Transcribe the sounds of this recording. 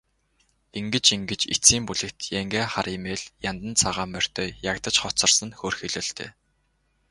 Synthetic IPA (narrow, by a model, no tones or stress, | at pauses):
iŋɡɘ̆t͡ɕiŋɡɘ̆t͡ɕit͡siːmpuɮɘ̆kt̪jæŋɡeːχaɾimeːɮjant̪ə̆nt͡sʰaʁaːmœr̥ʲt̪ʰœːjakt̪ə̆t͡ɕχɔt͡sɞ̆rsə̆nxoːrxiɮoːɮt̪ḛː